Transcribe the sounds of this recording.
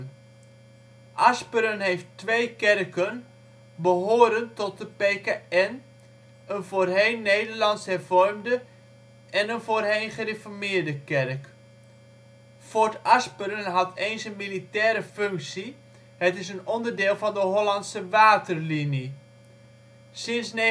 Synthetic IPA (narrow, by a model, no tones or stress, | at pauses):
n | ʔaspəɾənɦejftʋejkɛrkən | bəɦoːɾəntɔt̚dəpeːkaɛn | ənvoːrɦejnːeːdərlɑntshɛrvɔrmdə | ɛnənvoːrɦejnχərefɔɹmɪːɹdəkɛrk | fɔɹtaspəɾənɦɑtʰeːnsənmilitɛːɾəføŋksi | hətɪsənɔndərdɪːlˠfɑndəɦolantsəʋaːtərlinji | sɪnsn